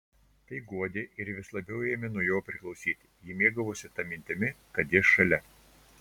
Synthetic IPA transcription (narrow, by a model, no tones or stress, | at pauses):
t̪ɐɪɡuɔd̪ʲeːʔɪɾʋʲɪslˠɐbʲɛʊeːmʲɛnuɔjoːpʲɾʲɪklˠɒʊsʲiːt̪ʲɪ̥jimʲeːɡɐʋʊsʲɪt̪ɐmʲɪnʲt̪ʲɪmʲɪkɐt̪jʲiːʃɐlʲɛ